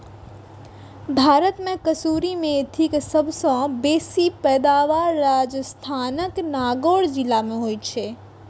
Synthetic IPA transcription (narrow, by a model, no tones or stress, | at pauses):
bʱaːɾət̪mẽkəsuːɾimẽt̪ʰiksəbsɔ̃beːsipɛːd̪aːʋaːɾːaːd͡ʒst̪ʰaːnəknaːɡoːɽd͡ʒɪlːamẽɦoːit͡ʃʰeː